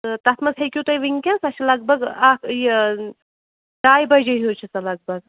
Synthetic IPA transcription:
ɨt̪ɐt̪ʰmɐsɦɐjkʲuːt̪ɐjʋiŋkʲansɐt͡ʃʰilɐɡ̚bɐɡaːkʰje | ɖaːjbɐd͡ʒɐjɦoːt͡ʃʰisɐlɐɡ̚bɐɡ

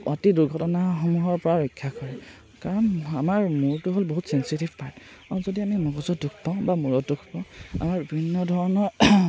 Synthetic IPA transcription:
ɔtiduɹɡʱɔtɔnaxɔmuɦɔɹpɔɹaɹɔjkʰːakɔɹɛ | kaɹɔnamaɹmuɹtʊɦolboɦutsɛnsitivpaɹt | azodiamimɔɡɔzɔtduk̚ʰpãʊ̃bamuɹɔt̚dukʰpãʊ̃a̰maɹbibʱinːɔdʱɔɹɔnɔ

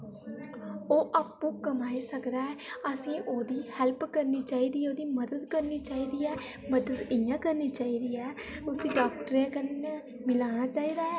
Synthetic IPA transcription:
oːʔaːpːũːkəmaːiːsəkd̪aːɦɛːəsĩːʔoːd̪iːhɛlpkəɾniːt͡ʃaːiːd̪iːɛːoːd̪iːməd̪əd̪kəɾniːt͡ʃaːiːd̪iːɛː | məd̪ət̪ɪjãːkəɾniːt͡ʃaːiːd̪iːɛː | ʊsĩːɖaːk̚ʈəɾẽːkəe | mɪlaːñaːt͡ʃaːiːd̪aːɛː

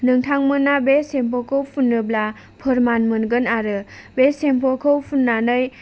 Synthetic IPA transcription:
nɯŋtʰaŋmɯnabesempʰɔkʰɯwpʰunːɯbla | pʰɯɾmanmɯnɡɯnaɾɯbesempʰɔkʰɯwpʰunːanɯj

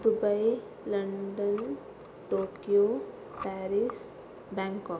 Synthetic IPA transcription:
d̪ubʌj | lʌɳɖʌn | ʈokijo | paɾis | baŋkɔ

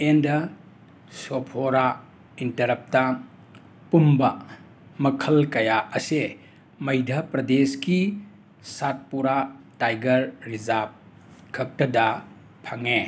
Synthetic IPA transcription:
endɐ | sopʰoɾa | intɐɾɐp̚tɐ | pumbɐ | mɐkʰɐlkɐjaɐse | mɐjdʱɐpɾɐdeski | sat̚puɾatajɡɐɾːizap̚ | kʰɐk̚tɐdɐ | pʰaŋe

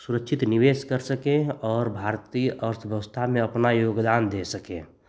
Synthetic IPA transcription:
suɾəkʃʰit̪niʋeːskəɾsəkẽɔːɾbʱaɾt̪iʔəɾt̪ʰʋjəʋəst̪ʰamẽəpnajoːɡd̪aːnd̪esəkḛ̃ː

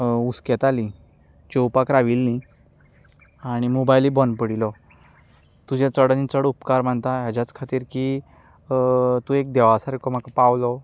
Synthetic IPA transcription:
usket̪ali | t͡ɕowpakɾaʋilni | aɽ̃imobajlibɔnpəɽilɔ | t̪ud͡ʑẽt͡səɽnit͡səɽupkaɾm̤əɳt̪aɦjad͡ʑat͡skʰat̪iːɾki | t̪ũek̚d̪eʋasaɾekɔm̤akapawlɔ

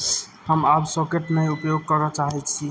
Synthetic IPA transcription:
həmabsɔkeʈnəupjoɡ̚kəɾɔt͡ʃaɦɛt͡ʃʰi

